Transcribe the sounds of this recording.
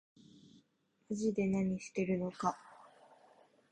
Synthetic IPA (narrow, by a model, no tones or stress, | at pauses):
iʑid̪e̞naɲ̟iɕi̥t̪e̞ɾɯ̟no̞ka